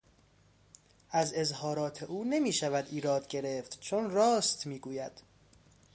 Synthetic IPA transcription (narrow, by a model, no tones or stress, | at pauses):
ʔæze̞zhɒːɾɒːt̪ʰe̞ʔuːnemiːʃævæd̪iːɾɒːd̪ɟe̞ɾe̞ft̪t͡ʃʰonrɒːst̪miːɡuːjæd̪̥